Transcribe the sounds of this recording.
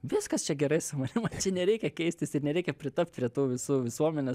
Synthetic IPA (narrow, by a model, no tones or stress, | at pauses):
ʋʲɪskɐst͡ʃʲɛɡʲɛɾɐɪsʊmɐnʲɪmɐnt͡ʃʲɛnʲɛɾʲɛɪkʲɛkʲɛɪsʲt̪ʲɪsɪɾnʲɛɾʲɛɪkʲɛpʲɾʲɪt̪ɐp̚ʲt̪̚ʲpʲɾʲiɛt̪oːʋʲɪsuːʋʲɪsuɔmʲɛnʲɛ